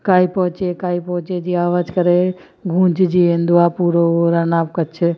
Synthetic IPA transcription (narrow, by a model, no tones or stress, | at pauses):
kaːipɔɦt͡ʃekaːipɔɦt͡ʃed͡ʒiaːʋaːd͡ʒkəɾe | ɡʱũːt͡ʃd͡ʒiend̪uapuːɾooɾanaːp̚kət͡ʃʰe